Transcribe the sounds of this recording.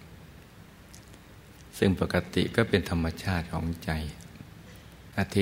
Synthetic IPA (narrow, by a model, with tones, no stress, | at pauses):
sɯ˥˩ŋpa˨˩ka˧t̪ḭ˨˩kɔː˥˩pe˧nt̪ʰa˧mːa˧t͡ɕʰaː˥˩t̪̚kʰɔ̰ː˩˦ŋt͡ɕa˧j | ʔa˧t̪ʰi˦